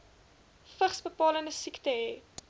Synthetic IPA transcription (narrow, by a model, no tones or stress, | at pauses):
fəχsbəpɑːləndəsiktəɦɛː